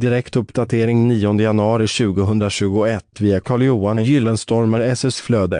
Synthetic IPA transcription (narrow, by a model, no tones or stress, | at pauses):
d̪ɪɾɛkt̪ɵpːd̪at̪ʰeːɾɪŋniːɔnd̪əjanɵɑːɾɪɕʉ̟ːɡʊɦɵnd̪ɾaɕʉ̟ːɡʊɛt̪ːviːakʰɑːɭjuːanjʏlːənst̪ɔɾməɾɛsʉsfløːd̪ə̰